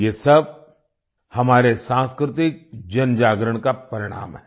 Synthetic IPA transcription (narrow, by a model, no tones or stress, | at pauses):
jeːsɐb̚ | hɐmaːɾesãːnskɾɪt̪ɪk̚d͡ʒɐnd͡ʒaːɡɾəɽ̃kapɐɾɪɽ̃a̰ːmɦɛː